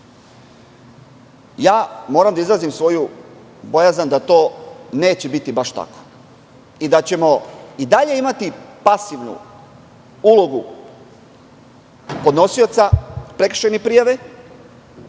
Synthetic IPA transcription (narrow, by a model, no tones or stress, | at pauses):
jaːmo̞ːɾamd̪aizɾazimsʋo̞ju | bo̞jazand̪at̪o̞ːne̞ːt͡ɕe̞bit̪ibaʃt̪a̰ko̥ | id̪at͡ɕe̞mo̞id̪aʎe̞imat̪ipasiʋnṵ | ulo̞ɡu | po̞d̪no̞sio̞t̪sapɾe̞kɾr̥ʃenepɾijaʋe